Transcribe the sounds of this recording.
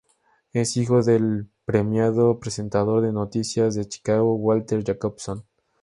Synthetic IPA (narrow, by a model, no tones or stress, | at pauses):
e̞sixo̞ðe̞lpɾemjaðopɾese̞nt̪aðo̞ɾðenot̪isjazðet͡ʃi̥kaɣowalt̪eɾʝakopson